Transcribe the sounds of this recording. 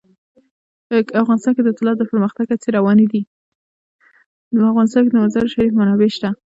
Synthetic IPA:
pəkafɣɑnɪst̪ɑnked̪əɪt̪ɪlɑt̪̚d̪əpəɾməxt̪aɡat͡seɾawɑnid̪i | d̪əafɣɑnɪs̬t̪ɑnked̪əmazɑɾʃaɾifmanɑbeʃt̪a

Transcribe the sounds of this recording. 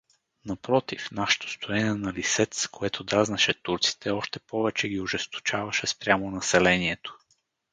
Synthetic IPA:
nɐpɾɔt̪ifnaʃɛ̥t̪o̥st̪ʰoɛniɛnɐlisɛt̪skoɛt̪ʰod̪ɾaznɐʃɛt̪uɾt̪si̥t̪ʰɛɔʃt̪ɛpɔvɛt͡ʃɛɡʲiʊʒɛst̪o̥t͡ʃavɐʃɛspɾʲjamonɐsɛlɛniɛt̪o̥

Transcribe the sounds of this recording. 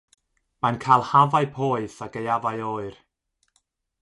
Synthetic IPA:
mankʰajlˠhavaɨpʰoːɨθaɡejavajoːɨr

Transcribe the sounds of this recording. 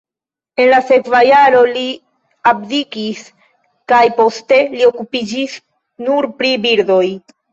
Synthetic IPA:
e̞nlase̞kvajaɾo̞li | abdikis | kajpo̞ste̞lio̞kupid͡ʒis | nuɾpɾibiɾdo̞j

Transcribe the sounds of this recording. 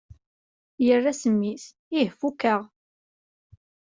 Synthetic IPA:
jərːæsəmːis | ihfukəʁ

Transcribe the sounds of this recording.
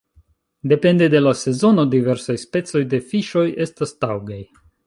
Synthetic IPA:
de̞pe̞nde̞de̞lase̞zo̞no̞dive̞ɾsajspe̞t͡so̞jde̞fiʃo̞je̞stastawɡaj

